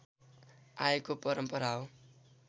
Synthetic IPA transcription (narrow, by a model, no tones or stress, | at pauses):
aekopʌɾʌmpʌɾao